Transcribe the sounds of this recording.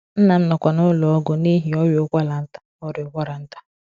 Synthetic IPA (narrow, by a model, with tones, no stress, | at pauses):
n̩˦na˨n̩˦nɔ˨kʷa˨nʊ˦lɔ˨ɔ˦ɡʊ˦ni˦ɦi˨ɔ˦jʊ˨˦kʷa˦la˨n̩˦tḁ˦ɔ˦ɾʊ˨ɡʷɔ˦ɾa˨n̩˦tḁ˦